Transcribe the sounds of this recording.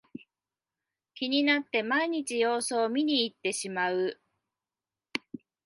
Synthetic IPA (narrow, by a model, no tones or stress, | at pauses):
kʲiɲ̟inat̪ːe̞maiɲ̟it͡ɕijo̞ːso̞ːmʲiɲ̟iːt̪ːe̞ɕimaɯ̟